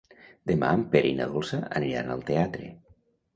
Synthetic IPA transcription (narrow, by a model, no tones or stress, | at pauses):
d̪ema̰mpeɾʔeinaðolˠsaəniɾa̰nəlˠt̪eat̪ɾḛ